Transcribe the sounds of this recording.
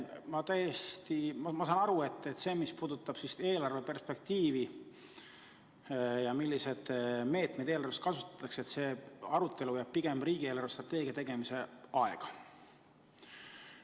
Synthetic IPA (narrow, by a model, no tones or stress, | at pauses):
mɑt̪æjest̪imɑmɑs̬ɑːnɑɾue̞t̪ˑːet̪ːˑse̞ːmispuːd̪ut̪ːˑɑb̥sist̪e̞ːlɑrve̞pe̞rspe̞k̚t̪iːvi | jɑmilːise̞d̪̥me̞ːt̪me̞jd̪̥eːlɑrve̞st̪kɑsu̥t̪ːˑɑ̥t̪ːˑɑkseet̪se̞ːɑɾut̪ːe̞lujæb̥̚piɡ̥e̞mb̥riːɡ̥ieːlɑɾrvest̪rɑt̪ːˑe̞ːɡ̥ijɑt̪e̞ɡ̥e̞mise̞ʔɑe̞ɡ̥ɑ̥